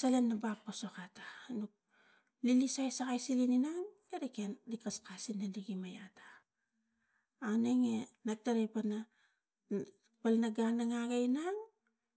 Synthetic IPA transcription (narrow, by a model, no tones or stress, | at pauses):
salenːabakposokatanuk̚ | lilisajsakajsilininaŋ | eɾekenlikaskasinːaliɡimajatḁ | neŋenak̚taɾepana | palnaɡanaŋaɡajnaŋ